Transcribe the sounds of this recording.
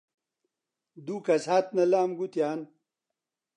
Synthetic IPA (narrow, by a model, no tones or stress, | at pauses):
d̪uːkɐsaːt̪nɐlaːmɡut̪jaːn